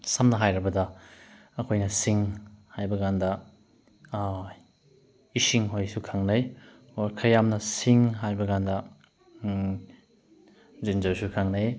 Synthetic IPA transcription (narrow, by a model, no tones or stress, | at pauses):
sɐmnɐɦajɾɐbɐdɐ | ɐkʰojnɐsiŋhajbɐɡandɐ | isiŋɦojsukʰaŋnɐj | oɾkʰɐjamnɐsiŋɦajbɐɡandɐ | zind͡ʒawsukʰaŋnɐj